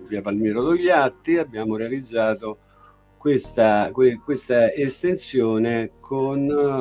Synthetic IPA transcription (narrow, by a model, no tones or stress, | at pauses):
viːapalmɛːɾod̪oʎːat̪ːiabːjaːmoɾealid̪zːaːt̪o | kwest̪akwekwest̪aest̪ensjoːnekʰon